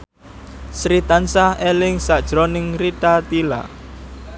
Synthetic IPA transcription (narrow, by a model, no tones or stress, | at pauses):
sɾit̪ansaelɪŋsad̥ʒ̥ɾonɪŋriʈat̪ila̰